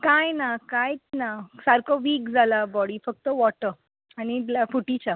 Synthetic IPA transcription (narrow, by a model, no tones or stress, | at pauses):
kajnakajt͡snasaɾkɔʋiːkd͡zʱalabɔɽifək̚t̪əʋɔʈə | aɽ̃ilafuʈit͡ɕa